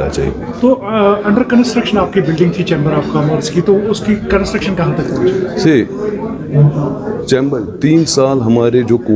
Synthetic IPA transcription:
a̰t͡ʃa̰ɦḭɡet̪oːɐ̃ɳɖəɾkɐ̃nsʈɾəkʃənaːp̚kibɪlɖɪ̃ŋɡt̪ʰit͡ʃẽːmbəɾaːp̚kaməɾskit̪oʊskikɐ̃nsʈɾəkʃənkɐɦãt̪ɐkpõːd͡ʒse | t͡ʃɛ̃ːmbəɾt̪iːnsaːlɦɐmaːɾed͡ʒoːko

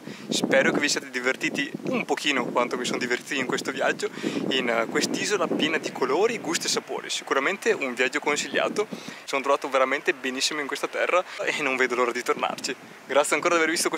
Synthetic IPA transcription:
spɛːɾokevisijaːt̪ed̪ivert̪iːt̪iumpokʰiːnokwant̪omisond̪ivert̪iːt̪oiŋkwest̪ovja̰d͡ʒːoinkwest̪iːzolapjɛːnad̪ikʰoloːɾiɡust̪oesːapo̰ːɾḭsi̥kuɾament̪eʔuɱvjad͡ʒːokonsiʎːa̰ːt̪osoːnot̪ɾovaːt̪oveɾament̪ebenisːimoiŋkwest̪at̪ɛrːaenːoɱveːd̪oloːɾad̪it̪orna̰rt͡ʃi | ɡɾat̪sjaŋkoːɾad̪avervist̪okwe

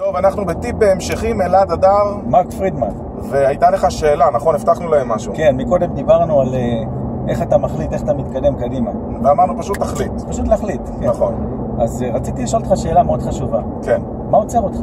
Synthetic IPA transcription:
t̪o̞vanaχnube̞tip̚beemʃeχimeladadaʁmakfʁid̪man | veajtale̞χaʃe̞ːlanaχo̞neft̪aχnulaemːaʃuke̞nmiko̞d̪e̞md̪ibaʁnuale | ʔe̞χatamaχlite̞χat̪amit̪kade̞mkadima | veamaʁnupaʃut̪ːaχlit̪paʃut̪̬leaχlit̪ | enaχo̞n | azʁat͡sit̪iliʃoltχaʃe̞ːlameo̞dχaʃuva | ken | maot͡seʁot̪χa

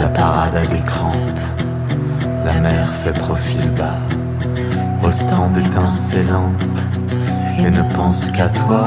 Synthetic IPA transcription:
lapaʁad̪ad̪ekχɑ̃p | lamɛʁfɛpχɔfilba | ɔst̪ɑ̃d̪ɛt̪ɛ̃selɑ̃t | enəpɑ̃skat̪wa

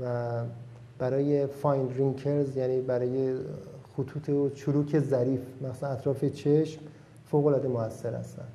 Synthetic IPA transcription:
væ | b̥æɾɒːjefɒjnd̪ɾiŋkʰeɾzjæːniːbæɾɒːje̞xot̪ʰuːt̪ʰeot͡ʃʰuluːcʰe̞zæɾiːfmæxsænæt̪ʰɾɒːfet͡ʃʰe̞ʃm | foːɣolɒːd̪emoæsːe̞ɾhæ̰st̪æ̰nd̥̪

